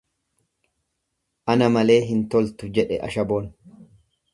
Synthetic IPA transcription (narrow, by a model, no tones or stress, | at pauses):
ʔɐnɐmɐle̞ːɦɪnt̪ɔlt̪ʊd͡ʒɛᶑɛ̰ʔɐ̰ʃɐboːn